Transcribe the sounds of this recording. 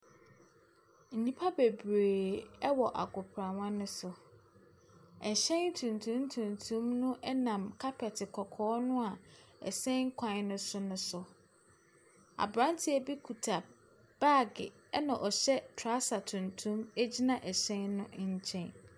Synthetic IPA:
n̩˨nĩ˦pʰa˦be˨beː˨ɛ˦wɔ˨ʔa̰˨ɡʊ˨pʰɾã˨wã˦nʊ̃˦sʊ˨ | ɛ˨ɕɛ̃˦n˦tʰũ˨ntʰũ˦m˦tʰũ˨ntʰũ˦mnʊ̃˦ʔɛ˦nã˨mkʰa˦pʰɛ˨tʰɪ˨kʰɔ˨kʰɔː˦nʊ̃˦a˨ɛ̰˨sɛ̃˦ŋ̩˦kʷʰã˨n˨˦nʊ̃˦sʊ˦nʊ̃˦sʊ˨ | a̰˨bɾã˦ntʰɪ˦æ˦bi˦kʰu˨tʰa˨ | b̥a˦ɡɪ̰˨ | ɛ˦nã˨ʔɔ˨ɕɛ˦tʰa˦sa˨tʰũ˨ntʰũ˦me˦d͡ʑi˦nã˦ʔɛ˨ɕɛ̃˦nːʊ̃˦ɲ̩˦t͡ɕʰɛ̃˦n

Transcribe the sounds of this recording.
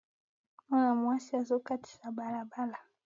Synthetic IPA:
ma˦na˨mwa˦si˦a˨zɔ˦ka˦ti̥˨sa˨ba˨la˨ba˦la˨

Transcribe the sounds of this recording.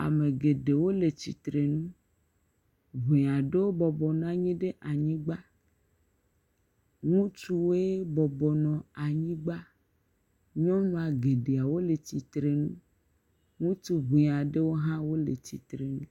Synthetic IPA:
a̰˨me˨ɡe˨ɖe˨wo˦le˨t͡ɕḭ˨t̪ɾe˨nũ˦ | βu˨ã˨ɖe˦wo˦bɔ˨bɔ˨n˦ã˦ɲĩ˦ɖe˦ʔa˨ɲĩ˦ɡ͡ba˦ | ŋũ˦t͡ʃu˦we˦bɔ˨bɔ˨nɔ̃˨a˨ɲĩ˦ɡ͡ba˦ | ɲɔ̃˦ɲũ˦a˨ɡe˨ɖe˨a˨wo˦le˨t͡ɕi˨t̪ɾe˨nũ˦ | ŋũ˦tu˦βu˨a˨ɖe˦wo˦ɦã˦wo˦lḛ˨t͡ɕḭ˨t̪ɾe˨nũ˦

